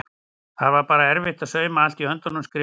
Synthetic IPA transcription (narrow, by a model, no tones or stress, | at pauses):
haðvaɾpaːɾaɛɾvɪht̪aðsœːɥmaal̥t̪iœnt̪ɔnʏmskɾɪ